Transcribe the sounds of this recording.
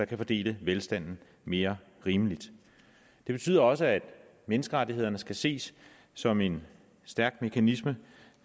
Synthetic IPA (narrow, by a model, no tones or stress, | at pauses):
ɑ̈kʰæfɒ̽d̥e̝̰ːləʋelsd̥æn̰n̩ | me̝ːɐ | ʁiːməlid̥ | d̥e̝b̥e̝t͡sʰy̰ːð̰ˠɐɒ̽səæd̥ | menəsɡ̥əʁɑ̈t͡sie̝ðˠɐnəsɡ̥æse̝̰ːsː | ɒ̽me̝n | sd̥æɐɡ̥me̝kʰænismə